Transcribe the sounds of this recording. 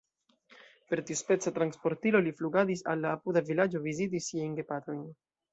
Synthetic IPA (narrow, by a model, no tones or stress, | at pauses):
pe̞ɾt̪iospe̞t͡sat̪ɾanspo̞ɾt̪ilo̞lifluɡadisa̰lːaːpudavilad͡ʒo̞vizit̬isːiajnɡe̞pat̪o̞jn